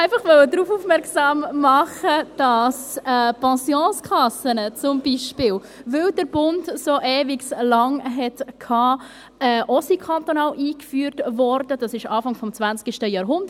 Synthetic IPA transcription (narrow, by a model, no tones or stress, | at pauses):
æɪfɑχʋœlwədɾuːfuːfmɛɾksɑːmːɑχəd̥ɑsɛpɑ̃sjɔ̃ːskʰɑsənət͡sʊmbiːʃpɪːl | vɪldəɾb̥ʊndsoʔɛːvɪɡslɑŋɦɛtkʰɑː | ɛʔɔsikʰɑnt̪onɑːlʔiːkfyːɾtvɔɾdəd̥ɑsɪʃɑːfɑŋfɔmt͡svænt͡skɪʃtəjɑːɾɦʊndə